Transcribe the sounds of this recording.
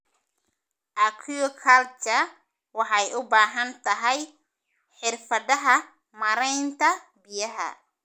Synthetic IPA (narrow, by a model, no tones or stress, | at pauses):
ʔɐkʰuɔkʰalt͡ʃɐ | wɑħɑjʔʊbaːɦɐnt̪ʰɐɦɛj | ħɪrfɐðɐɦɐ | mɐɾɛjnt̪ʰɐbɪjɐɦɐ̰